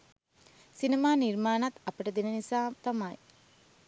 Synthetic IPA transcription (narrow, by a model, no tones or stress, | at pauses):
sinemaːnirmaːnat̪ɐpəʈəd̪enənisaːt̪amaj